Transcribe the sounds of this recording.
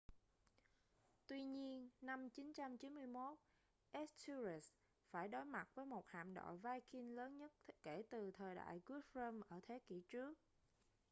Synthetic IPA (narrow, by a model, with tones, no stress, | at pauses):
t̪wi˧ɲi˧ənːa˧mt͡ɕi˨˦nt͡ɕa˧mt͡ɕi˨˦nmɨ˧əjmo˦˥t̚ | ʔɛ˦˥stʰu˧zi˨˩s | faː˧˩jɗo˨˦jma˨˩t̚vəː˨˦jmo˨˩t̚ha̰ː˧˨mɗo̰˧˨jvaː˧jxi˧nləː˨˦nɲə˦˥t̚ke˧˩t̪ɨ˨˩t̪ʰəː˨˩jɗa̰ː˧˨jkwi˨˦ət̚ɹəː˧mʔəː˧˩t̪ʰe˨˦ki˧˩t͡ɕɨ˦˥ək̚